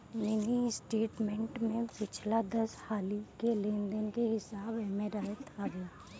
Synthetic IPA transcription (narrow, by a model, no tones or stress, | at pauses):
mɪnisʈeːʈmẽɳʈmẽpɪt͡ʃʰlad̪ɐshaːlikelẽːnd̪ənkeɦɪsaːbɛmeɾaːet̪ʰaɡɐaː